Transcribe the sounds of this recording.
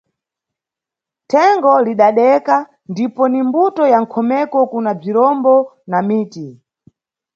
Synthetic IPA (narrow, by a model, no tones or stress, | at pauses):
tʰɛŋɡɔliɗaɗɛka | ndipɔnimbutɔjaŋ̩kʰɔmɛkɔkunab͡ʐiɾɔmbɔ | namiːti